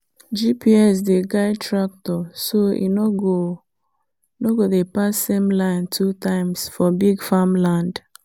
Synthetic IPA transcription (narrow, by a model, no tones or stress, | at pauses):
d͡ʒipiɛs̬deɡaɪtɹak̚tɔsoḭnoɡo | noɡodepasːemlãɪntʰutãɪ̃msfɔbiɡfamlãnd